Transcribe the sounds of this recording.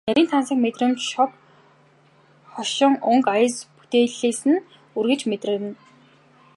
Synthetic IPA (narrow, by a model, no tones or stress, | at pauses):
næɾʲiːnt̪ʰansiːkmet̪rə̆mt͡ɕʃɔp̚ | χɔʃɪ̆ŋɵŋkajə̆spu̥t̪eːɮeːsɘ̆n | urɣɘ̆t͡ɕmet̪rɘ̆ɾɘ̆n